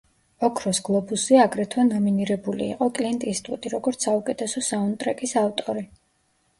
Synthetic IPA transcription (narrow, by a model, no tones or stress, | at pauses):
ɔkʰɾɔsɡ̥lˠɔbusiaɡɾɛt̪ʰwanɔminiɾɛbulḭːqʼɔkʼlint̪ʼist̪ʼut̪ʼiɾɔɡɔɾt̪sʰaukʼɛt̪ʰɛsɔsaɔnt̪ʼɾɛkʼisaft̪ʼɔɾi